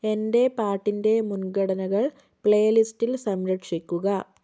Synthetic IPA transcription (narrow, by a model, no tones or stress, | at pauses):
e̞nde̞paːrʈːinde̞munɡɐɽɐnɐɣɐɭ | pɭejɐlistilsɐmɾɐʈʂikʲːuɣɐ